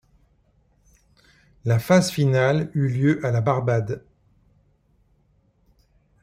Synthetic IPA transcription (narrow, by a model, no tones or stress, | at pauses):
lafazfinalyljøʔalabaʁbad̪